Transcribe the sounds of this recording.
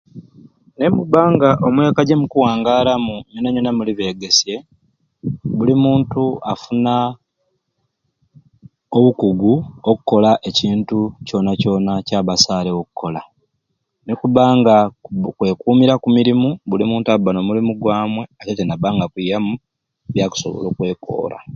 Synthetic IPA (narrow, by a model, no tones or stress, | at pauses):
ne̞muβaːŋɡaʔo̞mwe̞kaɟemukuwaːŋɡaːlamuminaɲenamuliβe̞ːɡe̞sje̞ | βulimuːntuʔafuna | oβukuɡuokukːo̞laʔe̞ciːntuco̞naco̞nacaːβasaːlewokukʰːo̞la | nekuβaːŋɡakwe̞ːkuːmiɾakumiɾimuβulimuːntaubano̞mulimuɡwaːmwe̞atetenaβaːŋɡakwijamu | βjaːku̥so̰βo̰lokwe̞ːko̞̰ːɾʔa̰